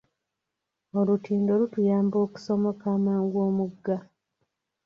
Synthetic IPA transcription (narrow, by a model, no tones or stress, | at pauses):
olutiːndo̞lutujaːmbo̞ːku̥somokaːmaːŋɡwoːmuɡːa